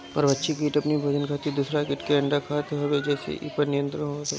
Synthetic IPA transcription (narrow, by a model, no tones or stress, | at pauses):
ɔ̰ːɾbɐtːʃʰikiːʈɐpnibʱɐd͡ʒənkʰaːt̪id̪uːsɾakɪʈkeɐ̃ɳɖakʰaːt̪ʰeɦɐbed͡ʒɛːsḛʔḭːpəɾnijə̃nt̪ɾənɦoːt̪ʰḛ